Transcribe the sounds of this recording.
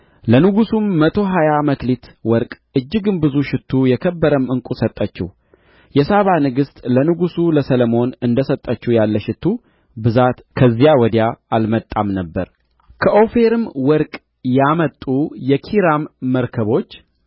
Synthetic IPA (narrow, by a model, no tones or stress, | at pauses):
lənɨɡusumːət̪ʰo̞ɦajaməklit̪wɔɾkʼʔɨd͡ʒːɪɡɨnbɨzuʃɪt̪ʰːujɛkʰəbːəɾəmɨŋkʼusət̪ʼːət͡ʃːɪ̰h | jɛsaβanɨɡɨst̪ʼlənɨɡusuləsələmo̞nɨnd̪əsət̪ʼːət͡ʃːujalːəʃɪt̪ʰːu | bɨzat̪kʰəzːijawɔd̪jaalmət̪ʼːamnəbːə̰ɾ | kʰəʔo̞fe̞ɾɨmwɔɾkʼ | jamət̪ʼːujɛkʰiɾamːəɾkʰəβo̞t͡ʃː